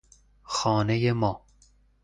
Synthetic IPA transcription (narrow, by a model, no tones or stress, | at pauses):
xɒːnejemɒː